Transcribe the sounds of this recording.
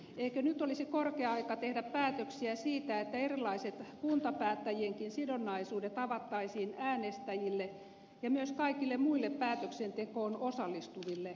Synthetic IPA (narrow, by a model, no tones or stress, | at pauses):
eikønyt̪olisikorkeɑɑikɑt̪ehdæppæːt̪øksiæsiːt̪æet̪ːæerilːˑɑiset̪kunt̪ɑpæːt̪ːæjieŋkinsidonːɑisuːdet̪ɑʋɑt̪ːɑisiːnæːnest̪æjilːe | jɑmyøskɑikilːemmuilːeppæːt̪øksent̪ekoːnosɑlːist̪uʋilːe